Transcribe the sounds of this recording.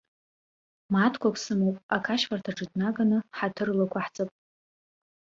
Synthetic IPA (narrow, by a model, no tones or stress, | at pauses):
matʰkʷʰakʷʰʼsɨmowpʼakʰaʃfartʰaʈ͡ʂʼɨdnaɡanɨħatʰɨrlakʷaħt͡sʼɨpʼ